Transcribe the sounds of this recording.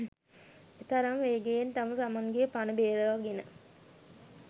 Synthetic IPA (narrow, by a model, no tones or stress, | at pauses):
et̪ɐɾaŋʋeːɡejent̪amət̪amaŋɡepanəbeːɾəʋaɡenə